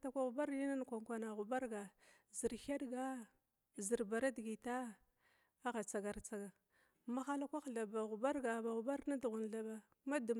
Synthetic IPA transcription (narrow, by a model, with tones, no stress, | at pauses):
ta˨kʷa˨ɣu˨ba˦ɾni˦na˦n˨kʷa˨ŋkʷa˨na˨ɣu˨ba˦ɾɡa˨ | zi˨ɾha˦ɗɡa˦ | zi˨ɾba˨ɾa˦dɡi˨ta˦ | a˦ɣa˨t͡sa˨ɡa˨ɾt͡sa˦ɡa˨ | ma˦xa˦la˦kʷa˦xɮa˨ba˨ɣu˨ba˦ɾɡa˨ba˨ɣu˨ba˦ɾna˦dɣu˨nɮa˨ba˨ | ma˦du˨